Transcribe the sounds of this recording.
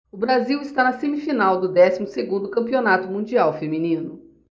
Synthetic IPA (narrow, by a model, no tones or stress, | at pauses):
ʊbɾaziwɪst̪anɐsemifinawd̪ʊd̪ɛsimʊseɡũnd̪ʊkɐ̃mpionat̪ʊmũd͡ʒiawfemĩnĩnʊ